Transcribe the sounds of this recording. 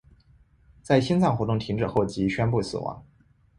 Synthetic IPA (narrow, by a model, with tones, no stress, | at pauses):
t͡sa˥˩ɪɕi˥nt͡sʰɑ˥˩ŋxwɔ˧˥t̪ʊ˥˩ŋt̪ʰi˧˥ŋʈ͡ʂɻ̩˨˩xo˥˩ʊt͡ɕi˧˥ɕɥɛ˥npu˥˩sɹ̩̰˨˩wɑ̰˧˥˦ŋ